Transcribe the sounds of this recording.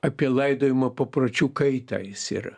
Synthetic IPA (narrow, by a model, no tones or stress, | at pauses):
ɐpʲɛlˠajd̪ɔjmɐpɐpɾɔt͡ʃʲukɐjt̪a̰jsʲɛ̰ɾɐ